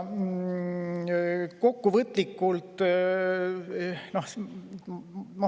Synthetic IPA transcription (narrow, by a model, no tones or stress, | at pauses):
ko̞kːuvɤt̪ːlikːˑult̪ˑ | nohs | mo